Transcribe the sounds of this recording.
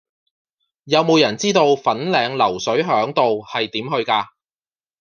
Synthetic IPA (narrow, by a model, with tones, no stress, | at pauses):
jɐ˨˧wmo˨˧wjɐ˨˩nt͡siː˥t̪o˧wfɐ˨˥nlɛː˨˧ŋlɐ˨˩wsɵ˨˥ɥɦœː˨˥ŋt̪o˨whɐ˨jt̪iː˨˥mhɵ˧ɥkaː˧